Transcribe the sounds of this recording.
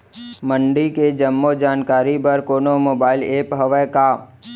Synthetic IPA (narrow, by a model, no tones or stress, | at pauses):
məɳɖiked͡ʒəmːod͡ʒaːnkaːɾipɐɾkoːnomoːbaːɪleːpɦəʋəkaː